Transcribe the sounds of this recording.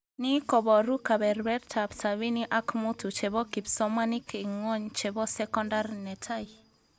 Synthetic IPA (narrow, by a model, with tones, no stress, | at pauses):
ni˦kɔ˨bɔ˨ɾu˦ka˨bɛ˨ɾbɛ˦rtʰa˨bsa˨βi˦ni˦ʔa˦kmu˦tu˨t͡ʃɛ˨bɔ˦ki˨psɔ˦ma˦ni˦kiŋɔ˦ɲt͡ʃɛ˨bɔ˦sɛ˦kɔ˦nda˦rnɛ˨tʰa˦ji